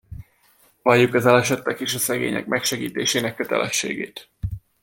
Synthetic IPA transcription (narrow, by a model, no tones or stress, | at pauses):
vɒjːukɒzɛlɛʃɛt̪ːɛkeːʃɒsɛɡḛːɲɛ̰k̚mɛkʃɛɡiːt̪eːʃeːnɛkːøt̪ɛ̰lʔɛʃːḛːɡeːt̪